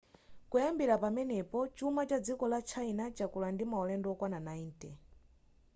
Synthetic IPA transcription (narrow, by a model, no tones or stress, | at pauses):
kujambiɾapamɛnɛpɔt͡ʃumat͡ʃad͡zikɔlat͡ʃʰainat͡ʃakulandimaɔlɛndɔɔkwananaintʼɛ